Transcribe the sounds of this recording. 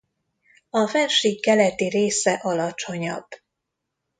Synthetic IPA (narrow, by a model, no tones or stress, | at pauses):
ɒfɛnʃiːkkːɛlɛt̪ireːsɛʔɒlɒt͡ʃo̞ɲɒ̰bː